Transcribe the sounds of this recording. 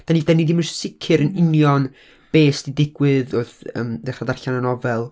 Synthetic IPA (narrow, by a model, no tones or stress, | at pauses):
d̥aniːdanidimərsɪkʰɨɾənɪnjɔn | b̥eːsd̥idɪɡwɨðʊrθəːmdɛχadarɬananɔvɛlˠ